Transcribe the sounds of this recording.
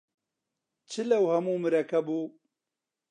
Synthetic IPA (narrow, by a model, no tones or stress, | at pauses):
t͡ʃʰɨlɐwhɐmuːmɨɾɐkɐbuː